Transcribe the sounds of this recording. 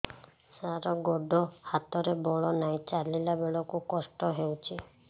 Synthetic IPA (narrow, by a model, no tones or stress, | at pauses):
saɾɔɡɔɖʱɔhat̪ɔɾebɔɭɔnajt͡ʃalilabeɭɔkukɔsʈɔɦewt͡ʃʰi